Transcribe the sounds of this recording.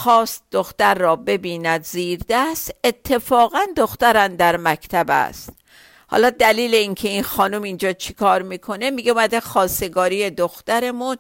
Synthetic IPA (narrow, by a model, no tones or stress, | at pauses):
xɒːst̪̚d̪oxt̪æɾːɒːbe̞biːnæd̪ziːɾd̪æst̪e̞t̪ʰːe̞fɒːɣænd̪oxt̪æɾænd̪æɾmækʰt̪ʰæbæ̰st̪ | hɒ̰ːlɒːd̪æliːle̞iŋkʰe̞inxɒːnumind͡ʒɒːt͡ʃʰi̥kʰɒːɾmiːkʰo̞ne̞miɡeumæd̪exɒːse̞ɡɒːɾiːjed̪oxt̪æɾe̞mun